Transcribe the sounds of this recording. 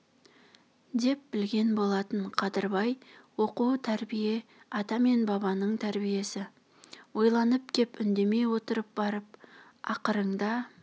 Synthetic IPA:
d̪e̞p̚bɪlɡʲe̞nbo̞lˠɑt̪əɴqʰɑd̪əɾbɑjwo̞qut̪ʰæɾbije̞ | ɑt̪ɑme̞nbɑβɑnəɴt̪ʰæɾbije̞sɪ | wo̞jlˠɑnəp̚kʲʰe̞pʏnd̪e̞me̞jwo̞t̪əɾəp̚bɑɾəp̚ | ɑ̰qəɾəɴd̪ɑ

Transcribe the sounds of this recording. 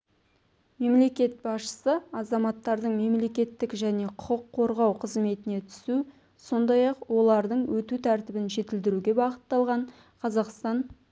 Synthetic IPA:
me̞mle̞kʲe̞t̪̚bɑsʃə̥səɑzɑmɑt̪ːɑɾd̪əɴme̞mle̞kʲe̞t̪ːɪkʒæne̞qʰʊqəqʰːo̞ɾʁɑwqʰəzme̞t̪ɪne̞t̪ʰʏ̥su | so̞nd̪ɑjɑqwo̞lˠɑɾd̪əɴwɵt̪ut̪ʰæɾt̪ɪbɪnʒe̞t̪ɪld̪ɪɾuɡʲe̞bɑqət̪ːɑlˠʁɑɴ | qʰɑzɑqst̪ɑn

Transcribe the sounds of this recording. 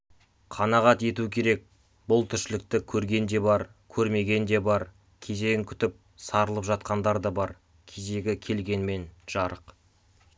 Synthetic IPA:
qʰɑnɑʁɑt̪e̞t̪ukʲʰe̞ɾe̞k̚ | bʊlˠt̪ʰʏɾʃɪlɪk̚t̪ɪkʲʰɵɾɡʲe̞nd̪e̞bɑɾkʲʰɵɾme̞ɡʲe̞nd̪e̞bɑɾ | kʲʰe̞ze̞ɡʲɪŋkʲʰʏ̥t̪ɪp̚ | sɑɾəlˠəpʒɑt̪̚qɑnd̪ɑɾd̪ɑbɑɾ | kʲʰeze̞ɡʲɪkʲʰe̞lɡʲe̞nme̞nʒ̥ɑɾəq

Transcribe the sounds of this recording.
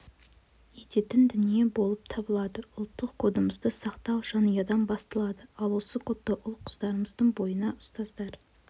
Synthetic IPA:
e̞t̪e̞t̪ɪnd̪ʏnije̞bo̞lˠəp̚t̪ʰɑbəlˠɑd̪əʊlˠt̪ːəqkʰo̞d̪əməzd̪əsɑqt̪ɑwʒɑnijɑd̪ɑnbɑst̪əlˠɑd̪əɑlˠwo̞səkʰo̞t̪ːəʔʊlˠqʰʊ̥z̥d̪ɑɾəməzd̪əɴbo̞jənɑʔʊst̪ɑzd̪ɑɾ

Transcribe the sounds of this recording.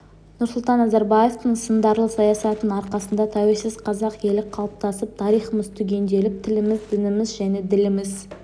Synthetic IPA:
nʊɾsʊlˠt̪ɑnːɑzɑɾbɑje̞ft̪əɴsənd̪ɑɾlˠəsɑjɑsɑt̪ənɑɾqɑsənd̪ɑt̪ʰɑwe̞lsɪzqʰɑzɑqje̞lɪqʰɑlˠəp̚t̪ɑsəp̚t̪ʰɑɾijχəməzt̪ʰʏɡʲe̞nd̪e̞lɪp̚t̪ʰɪlɪmɪzd̪ɪnɪmɪzʒæne̞d̪ɪlɪmɪz

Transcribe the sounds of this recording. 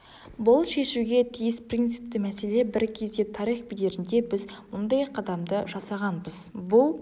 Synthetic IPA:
bʊlˠʃe̞ʃuɡʲe̞t̪ʰijɪsprint̪sɪ̥p̚t̪ɪmæse̞le̞bɪɾkʲʰe̞zd̪ʲe̞t̪ʰɑɾijχbid̪e̞ɾɪnd̪e̞bɪzmʊnd̪ɑjqʰɑd̪ɑmd̪əʒɑsɑʁɑnbəzbʊlˠ

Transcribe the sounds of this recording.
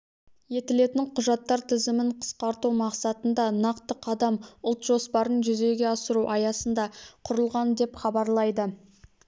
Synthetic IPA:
je̞t̪ɪle̞t̪ɪŋqʰʊʒɑt̪ːɑɾt̪ʰɪzɪmɪɴqʰə̥sqɑɾt̪umɑqsɑt̪ənd̪ɑnɑqt̪əqʰɑd̪ɑmʊlˠt̪ʒ̥o̞spɑɾənʒʏze̞ɡʲe̞ɑsəɾuʔɑjɑsənd̪ɑqʰʊɾəlˠʁɑnd̪e̞pχɑbɑɾlˠɑjd̪ə

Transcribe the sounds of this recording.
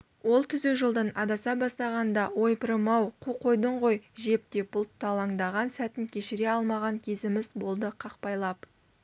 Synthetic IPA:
wo̞lˠt̪ʰʏzuʒəlˠd̪ənɑd̪ɑsɑbɑst̪ɑʁɑnd̪ɑwo̞jpəɾəmɑwqʰuqʰo̞jd̪əɴʁo̞jʒe̞p̚t̪e̞bʊlˠt̪ʰːɑlˠɑŋd̪ɑʁɑnsæt̪ɪnkʲʰe̞ʃɪɾeɑlˠmɑʁɑŋkʲʰe̞zɪmɪzbo̞lˠd̪əqʰɑqpɑjlˠɑp

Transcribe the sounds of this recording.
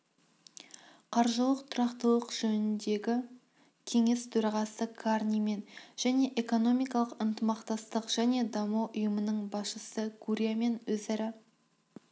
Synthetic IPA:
qʰɑɾʒəlˠəqt̪ʰʊɾɑqt̪əlˠəqʒ̥ɵnɪnd̪e̞ɡʲɪ | kʲʰe̞ŋe̞st̪ʰɵɾɑʁɑsəkʰarnʲijme̞nʒ̥æne̞ʔeko̞no̞mijkɑlˠəqənt̪əmɑqt̪ɑst̪əqʒ̥æne̞d̪ɑmuʔʊjəmənəɴbɑsʃəsəɡuɾʲijame̞nwɵzæɾɪ

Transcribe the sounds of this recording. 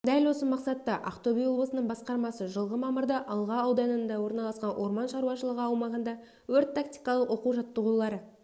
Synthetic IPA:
d̪ælwo̞səmɑqsɑt̪ːɑʔɑ̰qt̪obʲijoblˠəsənəɴbɑsqɑɾmɑsəʒəlˠʁəmɑməɾd̪ɑʔɑlˠʁɑːwd̪ɑnənd̪ɑwo̞ɾnɑlˠɑsqɑnwʔo̞ɾmɑnʃɑɾuwɑʃəlˠəʁəɑwmɑʁənd̪ɑ | wɵɾt̪ʰːak̚t̪ʲijkɑlˠəqwo̞quʒɑt̪ːəʁulˠɑɾə

